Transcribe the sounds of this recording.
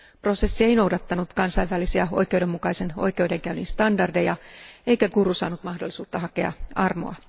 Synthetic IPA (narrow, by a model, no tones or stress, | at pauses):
pro̞se̞sːie̞ino̞wdɑt̪ːɑnut̪kɑnsɑjʋːælːisiɑo̞̰jkeudemːukɑise̞no̞̰jkeude̞ŋkæyninst̪ɑndɑrdejɑejkækurːusɑ̰ːnut̪mɑhdolːˑisuːt̪ːɑɦɑke̞̰ɑ̰ɑrmo̰ɑ